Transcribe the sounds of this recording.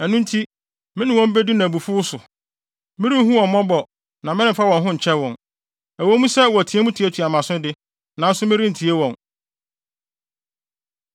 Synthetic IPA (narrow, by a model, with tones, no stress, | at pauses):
æ˨nũ˦n̩˦tʰi˦ | mɪ̃˦nɪ̃˨wɔ̃˦m̩˦be˦du˦nã˨bu˨fʊ˦ʊ˦sʊ˨ | mɪ̃˦ɾi˦ɦũ˦wɔ̃˨m˨mɔ̃˦bɔ˨ | nã˨mɪ̃˦nɪ̃˦˨fa˦wɔ̃˨nɦʊ̃˦ɲ̩˨t͡ɕʰɛ˦wɔ̃˨n | æ˨wo˦mũ˦sɛ˦wɔ˨æ˨tʰi˨e˦mũ˦tʰi˨˦e˦tʰi˨a˨mã˨sʊ̃˦dɪ˦ | nã˨n̩˦sʊ˦mɪ̃˦ɾĩ˦n̩˨tʰi˨e˦wɔ̃˨n